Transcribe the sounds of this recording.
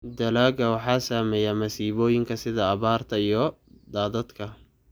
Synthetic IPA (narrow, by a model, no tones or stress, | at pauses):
d̪ɐlaːɡɐwɑħɑːsaːmɛːjaːmɐsiːβɔːjɪŋkʰɐsɪðɐːβaːrt̪ʰɐijɔ | d̪aːðɐd̪kʰɐ